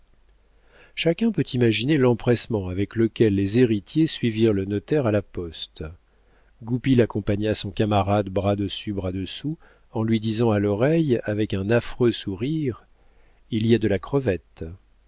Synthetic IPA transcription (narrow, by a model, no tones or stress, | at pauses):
ʃakʲɛ̃pøt̪ʰimaʒinelɑ̃pχɛsmɑ̃avɛkləkʲɛlːezeʁit̪jesɥiviʁlənɔt̪ɛʁalapɔst̪ | ɡupilakɔ̃paɲasɔ̃kamaʁad̪bʁad̪əsybʁad̪əsu | ɑ̃lɥid̪izɑ̃alɔʁɛjavɛkɛ̃nafχøsuʁiʁ | iliad̪əlakχəvɛt̪